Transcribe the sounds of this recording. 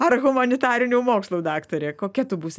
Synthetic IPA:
ɐrɣʊmɐnʲɪt̪ɑːɾʲɪnʲuːmoːkslˠuːd̪ɑːkt̪oːɾʲeːkoːkʲɛt̪ʊbuːsʲɪ

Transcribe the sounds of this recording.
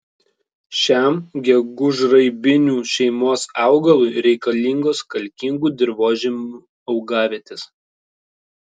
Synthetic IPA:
ʃʲæmɡʲɛɡʊʒɾɐɪbʲɪnʲuːʃʲɛɪmoːsɑˑʊɡɐlˠʊɪɾʲɛɪkɐlʲiŋɡoːskɐlʲkʲɪŋɡuːd̪ʲɪɾʋoːʒʲɪmu | ɒʊɡɑːʋʲeːt̪ʲes

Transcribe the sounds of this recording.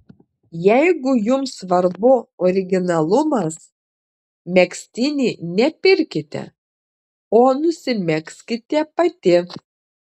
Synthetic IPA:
jɛɪɡʊjʊmsʋɐɾbʊɔɾʲɪɡʲɪnɐlˠʊmɐs | mʲɛksʲt̪ʲɪnʲiːnʲɛpʲɪɾʲkʲɪt̪ʲɛ̰ | oːnʊsʲɪmʲɛksʲkʲɪt̪ʲɛpɐt̪ʲɪ

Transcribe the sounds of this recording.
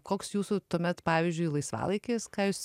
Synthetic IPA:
koːksjuːsʊt̪uɔmʲɛt̪pɑːʋʲɪzʲd͡ʒʲʊɪlˠɐɪsʋɑ̰ːlˠɐɪkʲeːskɑːjʊs

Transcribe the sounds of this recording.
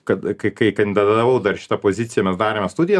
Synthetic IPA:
kɐt̪kɐɪkɐɪkɐnd̪ʲɪd̪ɐd̪ɐd̪ɐʋɐʊd̪ɐrʃʲɪ̥t̪ɐpoːzʲɪt̪sʲɪjɛmʲɛsd̪ɑːɾʲeːmʲɛst̪ud̪ʲɪjɛ

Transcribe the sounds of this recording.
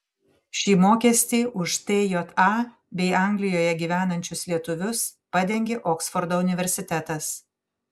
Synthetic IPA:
ʃʲiːmoːkʲɛsʲt̪ʲiːʔʊʃt̪eːjoːt̪ʰɑː | bʲɛɪɐˑŋʲɡlʲɪjoːjɛɡʲiːʋʲæːnɐnʲt͡ʃʲʊslʲiɛt̪ʊʋʲʊspɑd̪ʲɛŋʲɡʲeʔɔːksfɔɾd̪oːʊnʲɪʋʲɛɾʲsʲɪt̪ʲɛt̪ɐs

